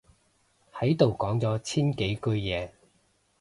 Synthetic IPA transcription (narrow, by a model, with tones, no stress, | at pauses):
hɐ˨˥jt̪o˨wkɔː˨˥ŋt͡sɔː˨˥t͡sʰiː˥nke˨˥jkɵ˧ɥjɛː˨˧